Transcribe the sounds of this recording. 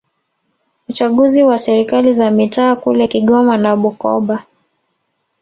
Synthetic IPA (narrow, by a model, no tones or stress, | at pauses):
ut͡ʃaɠuziwasɛɾikalizamitaːkṵlɛkiɠɔmanaɓukɔ̰ɓa